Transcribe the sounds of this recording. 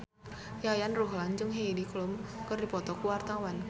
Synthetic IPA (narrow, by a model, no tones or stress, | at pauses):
jajanruɦland͡ʒʊŋɦediklʊmkərdi̤pɔt̪ɔkuwart̪awan